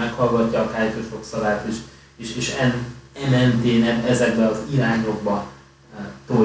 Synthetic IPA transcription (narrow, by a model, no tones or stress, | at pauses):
ɛkhɒlɡɒcːɒːkaːjtoʃoksɒbaːt̪eːʃ | eʃeːʃɛnɛlɛnt̪eːnɛbɛzɛɡbɛɒziɾaːɲo̞ɡ̚bɒ | t̪o